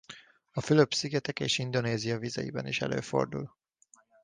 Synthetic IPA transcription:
ɒfyløpsiɡɛt̪ɛkeːʃind̪o̞neːzijɒvizɛjḭbɛniʃɛ̰lø̰ːfo̞̰rd̪ṵl

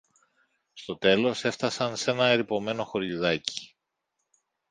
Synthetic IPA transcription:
st̪o̞t̪e̞lo̞se̞ft̪ɐsɐnse̞nɐeɾipo̞me̞no̞xo̞ɾʎiðɐci̥

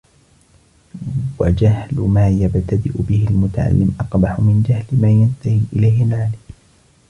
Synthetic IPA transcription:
wad͡ʒahlʊmaːjabt̪ad̪ɪʔʊbɪhɪlmʊt̪aʕa̰lːɪmʔɑqbaħʊmɪnd͡ʒahlɪmaːjant̪ahiːʔɪlajhɪlʕaːliː

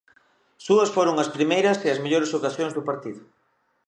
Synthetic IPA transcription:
suɐsfoɾʊŋɐspɾimejɾɐsɪɐsmeʎoɾesokasjoŋzðʊpaɾt̪iðʊ

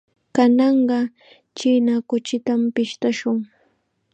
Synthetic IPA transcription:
kanɑɴɢɑ | t͡ʃiːnakʊt͡ʃɪt̪ampɪʃt̪aʃʊŋ

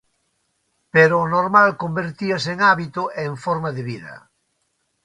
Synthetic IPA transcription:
peɾoːnoɾmalkombeɾt̪iaseŋaβit̪ʊʔeːɱfoɾmaðeβiðɐ̰

